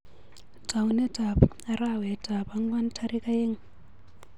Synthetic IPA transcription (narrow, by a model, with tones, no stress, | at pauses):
tʼa˨u˦nɛ˦tʼa˨pa˨ra˦wɛ˨tʰʼa˨ba˦ŋ˦wa˦n̩˦tʰaɾi˦kʼa˦je˦ŋ̩˦˨